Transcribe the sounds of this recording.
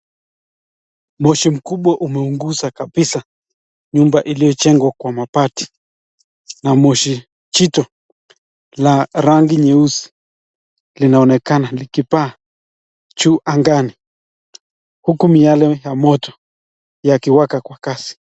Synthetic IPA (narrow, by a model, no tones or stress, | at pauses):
mɔʃim̩kuɓwaʔumɛuŋɡuzakaɓisa | ɲumbaʔilijɔt͡ʃɛŋɡwakwamapati̥ | namɔʃi | t͡ʃitɔ | laɾaŋɡiɲɛusi̥ | linaɔnɛkanalikipaː | t͡ʃuːʔaŋɡani | hukumialɛjamɔtɔ̥ | jakiwakakwakasi̥